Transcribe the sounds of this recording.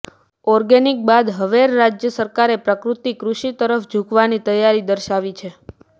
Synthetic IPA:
ɔɾɡenik̚bad̪ɦəʋeɾːad͡ʒjəsəɾkaɾepɾəkɾut̪ikɾuʃit̪əɾəfd͡ʒʱukʋanit̪əjːaɾid̪əɾʃaʋit͡ʃʰe

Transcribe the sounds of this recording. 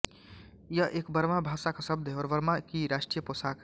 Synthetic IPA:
jəʔekbəɾmabʱasakasəbd̪ʱeɔɾʋəɾmakiɾasʈɾijəposak

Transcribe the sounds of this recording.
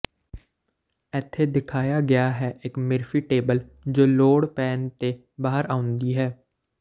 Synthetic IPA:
ɛt̪ʰːeːd̪ɪkʰaːjaːɡɪjaːɦɛːʔɪkmɪɾfʰiːʈeːbəld͡ʒoːloːɽpɛːnt̪eː | baːɦəɾʔaːʊnd̪iːɦɛː

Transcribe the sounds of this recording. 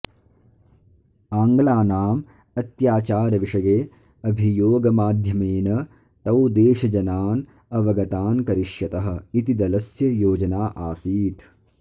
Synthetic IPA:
aːŋɡɐlaːnaːm | ɐt̪jaːt͡ʃaːɾɐʋiʂɐɡeː | ɐbʱijoːɡɐmaːd̪ʱjɐmeːnɐ | t̪ɐwd̪eːʃɐd͡ʒɐnaːn | ɐʋɐɡɐt̪aːnkɐɾiʃjɐt̪ɐɦɐ̆it̪id̪ɐlɐsjɐjoːd͡ʒɐnaːʔaːsiːt̪

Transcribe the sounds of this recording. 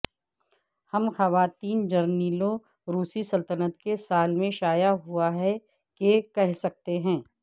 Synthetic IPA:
hɐmxɐʋaːt̪iːnd͡ʒɐɾniːlõ | ɾuːsisɐlt̪ənət̪kesaːlmẽʃaːjaɦuaɦɛ | kekɛɦsɐk̚t̪eɦɛ̃ː

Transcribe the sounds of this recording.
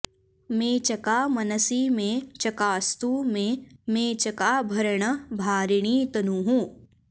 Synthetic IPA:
mẽːt͡ʃɐkaːmɐnəsimẽt͡ʃɐkaːst̪umẽmẽːt͡ʃɐkaːbʱɐɾɳ̃əbʱaːɾɪɳ̃iːt̪ɐnuɦũː

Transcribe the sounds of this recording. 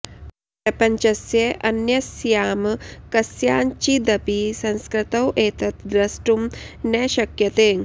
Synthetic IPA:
pɾɐpɐɲt͡ʃɐsjeʔɐnjɐsjaːmkɐsjaːnt͡ʃid̪ɐpisɐ̃nskɾɪt̪ɐwʔeːt̪ɐt̪d̪ɾɐsʈum | nɛːʃɐkjɐt̪eː

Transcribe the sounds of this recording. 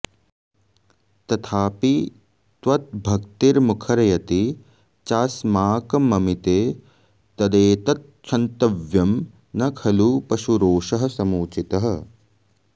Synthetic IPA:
t̪ɐt̪ʰaːpi | t̪ʋɐt̪̚bʱɐk̚t̪iɾmukʰɐɾɐjɐt̪i | t͡ʃaːsmaːkɐmɐmit̪eː | t̪ɐd̪eːt̪ɐt̪̚t͡ʃʰɐnt̪ɐʋjɐm | nɐkʰɐlupɐʃuɾoːʃɐɦɐ̆sɐmuːt͡ʃit̪ɐɦɐ̆

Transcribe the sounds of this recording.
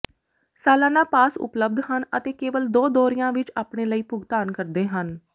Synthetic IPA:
saːlãːnãːpaːsʊ̰pləb̚d̪ɦənə̰t̪eːkeːʋəld̪oːd̪ɔːɾɪjãːʋɪt͡ʃaːpɽeːləiːpʊɡt̪aːnkəɾd̪eːɦən

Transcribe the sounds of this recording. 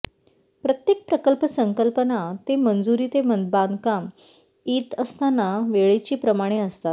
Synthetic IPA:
pɾət̪jek̚pɾəkəlpəsəŋkəlpənat̪emənd͡zuɾiːt̪emənd̪band̪kam | iːt̪əst̪anaʋeɭet͡ɕiːpɾəmaɽ̃eəst̪at̪̚

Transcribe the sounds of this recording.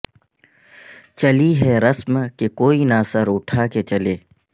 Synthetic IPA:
t͡ʃɐliɦɛɾɐsmkekoːinasəɾʊʈʰaːket͡ʃɐleː

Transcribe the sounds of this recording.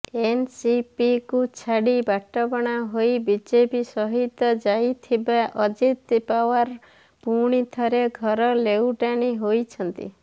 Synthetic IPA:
ensipikut͡ʃʰaɽibaʈɔpɔɽ̃aɦojbid͡ʒepisɔɦit̪ɔd͡ʒait̪ʰːibaʔɔd͡ʒit̪pawaɾ | puɽ̃it̪ʰɔɾeɡʱɔɾɔlewʈaniɦojt͡ʃʰɔnt̪ḭ

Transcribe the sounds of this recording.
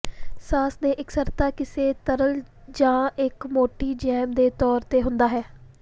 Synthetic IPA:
saːsd̪eːʔɪksəɾt̪aːkɪseːt̪əɾəld͡ʒãːɪkmoːʈiːd͡ʒɛːmd̪eːt̪ɔːɾt̪eːɦʊnd̪aːɦɛː

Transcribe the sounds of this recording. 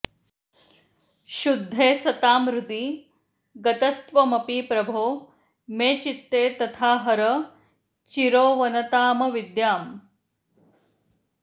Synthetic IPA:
ʃud̪ʱːeːsɐt̪aːmɾut̪i | ɡɐt̪ɐst̪ʋɐmɐpiːpɾɐbʱoː | meːt͡ʃit̪ːeːt̪ɐt̪ʰaːɦɐɾɐ | t͡ʃiɾoːʋɐnɐt̪aːmɐʋid̪jaːm

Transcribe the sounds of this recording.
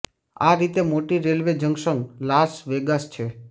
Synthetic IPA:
aɾit̪emoʈiɾelʋed͡ʒəŋɡʃəŋɡlasʋeɡast͡ʃʰe

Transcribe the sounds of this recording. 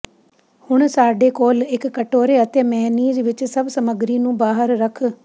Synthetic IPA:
hʊɽ̃saːɖekoːlɪkːəʈoːɾeət̪eːmɛɦniːd͡ʒʋɪt͡ʃsɐbsəməɡɾinũːbaːɦəɾɾəkʰ

